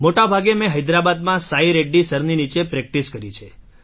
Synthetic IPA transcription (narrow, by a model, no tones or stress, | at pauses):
moʈabʱaɡemɛ̃ɦəjd̪ɾabad̪mãsaiɾeɖːisəɾninit͡ʃepɾɛk̚ʈiskəɾit͡ʃʰe